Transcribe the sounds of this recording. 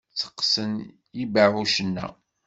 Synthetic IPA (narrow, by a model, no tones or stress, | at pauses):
t͡sːə̥qːsən | jibaʕuʃənːæ̰